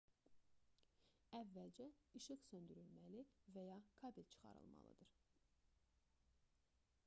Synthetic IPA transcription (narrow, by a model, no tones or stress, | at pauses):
ævːæld͡ʒæiʃɯɣsø̞nd̪yɾylmælivæjɑkʰɑbilt͡ʃʰɯ̥χɑ̰ɾɯ̰lˠmɑ̰lˠɯ̰d̪ɯɾ̥